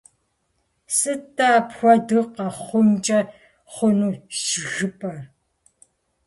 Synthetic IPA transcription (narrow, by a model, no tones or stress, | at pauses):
sɨtʰːaːpxʷɔdɨqɐχʷʊnt͡ʃʼɐ | χʷʊnuːʃɪɣɨpʰʼɐ